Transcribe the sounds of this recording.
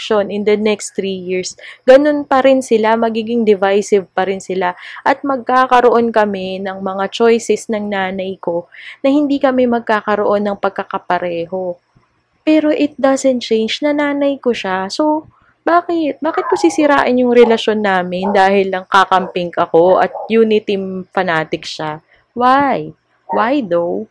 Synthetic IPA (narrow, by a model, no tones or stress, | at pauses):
ʃo̞nɪnd̪ɐnɛkst̪ɾiːjɪɹsɡɐno̞npɐɾɪnsɪlamɐɡiːɡɪŋd̪ɛvajsɪvpɐɾɪnsɪlaʔɐt̪̚mɐɡ̚kaːkɐɾoʔo̞nkɐmɛnɐŋmɐŋat͡ʃo̞jsɛsnɐŋnaːnɐjko̞nɐhɪnd̪ikɐmɛmɐɡ̚kaːkɐɾoʔo̞nːɐŋpɐɡ̚kɐkɐpɐɾɛːɦo̞ | pɛːɾo̞ʔɪt̪̚d̪asɛnt̪̚t͡ʃejnd͡ʒnɐnaːnɐjko̞ʃaso̞ | baːkɪt̪̚baːkɪt̪̚pʊsisɪɾa̰ːʔɐnjʊŋɾɛlɐʃo̞nːaːmɪnd̪aːhɪlnɐŋkakɐmpɪŋkʔɐko̞ʔɐ̰t̪̚juːnɪt̪ɪmfɐnaːt̪ɪkʃa | waj | wajd̪ow